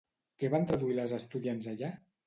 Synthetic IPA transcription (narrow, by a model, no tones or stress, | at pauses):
kɛβant̪ɾaðuiləzəst̪uðianzaʎa